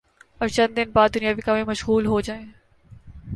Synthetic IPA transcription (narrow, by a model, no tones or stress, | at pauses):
ɔɾt͡ʃɐ̃nd̪d̪ɪnbaːd̪̚ːʊnijaːʋiːkaːmẽmɐʃɣuːlɦoːd͡ʑaːẽː